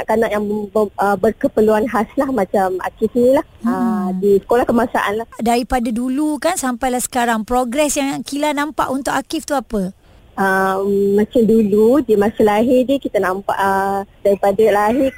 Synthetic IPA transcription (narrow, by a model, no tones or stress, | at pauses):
aʔkanaʔjaŋəbərkəpəluanɦaslahmãt͡ʃama̰kɪfinĩlahədisə̥kolahkəmasaʔanlahdaɾipadadulukansampajlahsə̥kaɾaŋpɾoɡɾɛsjaŋkilanãmpaʔunt̪ʊʔakɪft̪uapə | əmːãt͡ʃamduludiəmasəlaɦidikit̪anãmpa̰ʔədaɾipadalaɦɪ